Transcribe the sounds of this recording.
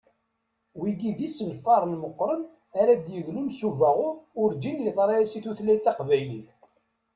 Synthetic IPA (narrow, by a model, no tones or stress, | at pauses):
wiɡiðisəlfɑɾˤnməqːɾˤən | aɾæd̪jəɣlunsuvæʁʊʊɾd͡ʒ̪injiðˤɾˤɑæsiθuθlæjt̪ːɑqvæjliθ